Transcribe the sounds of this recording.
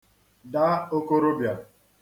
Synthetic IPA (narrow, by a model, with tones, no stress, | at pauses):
da˦o˦ko˦ɾo˦bja˨